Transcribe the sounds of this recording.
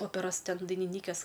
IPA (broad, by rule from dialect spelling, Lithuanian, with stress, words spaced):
ˈoːpʲɛroːs ˈtʲɛn dɐɪnʲɪˈnʲiːkʲeːs